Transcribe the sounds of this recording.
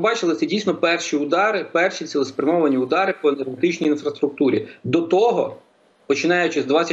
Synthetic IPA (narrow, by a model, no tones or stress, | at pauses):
bɑt͡ʃɪlˠɪt̪ɛdʲijsnɔpɛrʃiʊd̪ɑɾɪpɛrʃit̪sʲilˠɔspɾʲɐmɔʋɐnʲiʊd̪ɑɾɪpɔenerɦet̪ɪt͡ʃnʲijinfɾɐst̪ɾʊk̚t̪uɾʲḭd̪ɔt̪ɔɦɔ̰ | pɔt͡ʃɪnɑjʊt͡ʃɪzd̪ʋɑt͡sʲɐ